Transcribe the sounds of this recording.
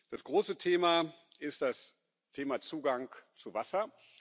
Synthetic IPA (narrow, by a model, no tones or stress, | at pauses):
d̥asɡ̥ʁoːsətʰeːma | ʔɪst̚d̥as | tʰeːmat͡suːɡaŋt͡suvasɐ